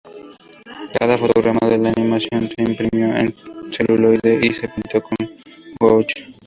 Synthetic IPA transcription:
ka̰ðafot̪oɣɾamaðelanimasjõnt̪eimpɾimjoḛŋselulojðeʔisepint̪okõŋ | wowt͡ʃ

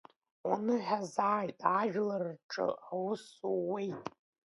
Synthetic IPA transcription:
wanɨħazaːjtʼaʒᶣlarʈ͡ʂʼɨ̰awsuwe̞jtʼ

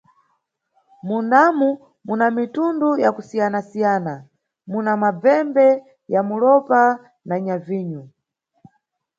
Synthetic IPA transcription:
munamu | munamitundujakusijanasijaːna | munamab͡vɛmbɛ | jamulɔpa | naɲaviːɲu

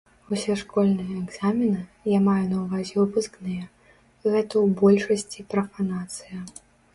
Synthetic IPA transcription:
usʲɛʂkɔlʲnɨjɐːɡz̥amʲinɨjamajunɐwvazʲɛupɨsknɨjɐ | ɣɛt̪ɐwbɔlʲʂɐsʲt͡sʲipɾɐfanat̪sɨjɐ

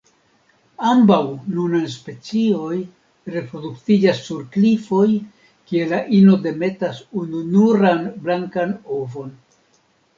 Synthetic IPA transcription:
ambawnunajs̬pe̞t͡sio̞j | ɾe̞pɾo̞duktid͡ʒasːuɾklifo̞j | kie̞laʔino̞de̞me̞tasununuɾanblaŋkanovo̞n

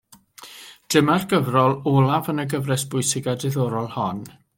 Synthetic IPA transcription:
d̥ɪmarɡəvrɔlˠoːlˠavənəɡəvrɛsb̥ʊjsɪɡadɪðɔɾɔlˠhɔn

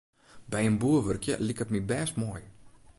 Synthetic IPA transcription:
bɛjənbuəʋørkjə̰likətmibɛːstmɔːj

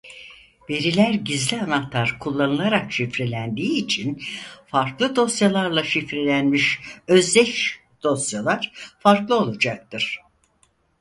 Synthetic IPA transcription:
ve̞ɾilʲæɾɟizlʲianaht̪ʰaɾkʰulˠːanɯlˠaɾakʃifɾelʲænd̪iːt͡ʃʰinfaɾklˠɯd̪o̞sjalˠaɾlˠaʃifɾelʲænmiʃøzd̪ɛʃ | d̪̥o̞sjalˠaɾ̥faɾklˠɯo̞lˠud͡ʒak̚t̪ɯɾ̥

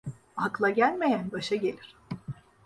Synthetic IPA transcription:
aklˠaɟælʲme̞jænbaʃaɟe̞lʲiɾ̥

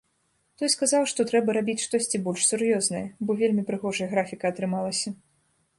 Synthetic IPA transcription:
t̪ɔjskazawʂt̪ɔt̪ɾɛbɐɾabʲit͡sʲʂt̪ɔsʲt͡sʲibɔlʲʂsʲurjɔznɐ̰jɐbɔvʲelʲmʲipɾɨɣɔʐɐjɐɣɾafʲikɐɐt̪ɾɨmalˠɐsʲɐ

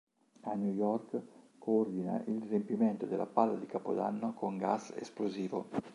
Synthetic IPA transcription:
anjujɔrk | koord̪ina̰ʔilrempiment̪od̪elːʔa̰palːad̪ikapo̰d̪a̰nːokoŋɡasḛsploziːvo

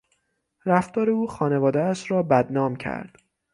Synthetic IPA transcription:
ɾæft̪ɒːɾe̞uːxɒːne̞vɒːd̪eæʃɾɒːbæd̪nɒːmcʰæ̰ɾd̪̥

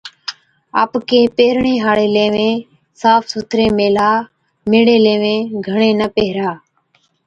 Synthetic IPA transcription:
a̰ːpkeːpeːɾɳẽːɦaːɽeːleːʋẽː | saːpʰsut̪ʰɾeːmeːlaː | meːɽeːleːʋẽːɡʱəɳ̃ẽːnəpeːɦɾaː

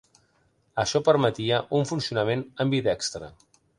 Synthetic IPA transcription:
əʃɔpəɾmət̪iəʔuɱfunsiunəmenəmbit̪ɛkst̪ɾə̰

